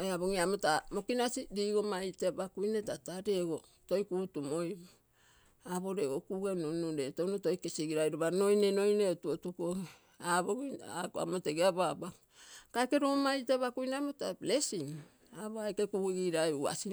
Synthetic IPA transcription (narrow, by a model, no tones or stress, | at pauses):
eaβoŋiamotamo̞kinasidiːɡo̞majtebakujnetataɾeɡo | to̞jkuːtumoj | aβo̞ɾeɡokuɡenunuɾetownoto̞jkesiɡiɾajɾoβano̞jnenojneotuotuko | aboɡakoa̰moteɡeababa | kaekeɾomajteβakujneamotablesim | aβoajkekuɡiɡiɾaua̰si